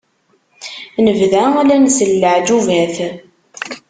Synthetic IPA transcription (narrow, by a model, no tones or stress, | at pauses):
nəvðæalænsəlːəʕd͡ʒuvæθ